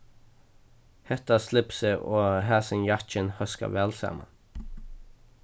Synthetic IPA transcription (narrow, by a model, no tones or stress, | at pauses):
hɛt̪ɑslɪpseʔoːhæːsənjɑt͡ʃənhœskɑ̰ʋɛlsɑ̰mə̰n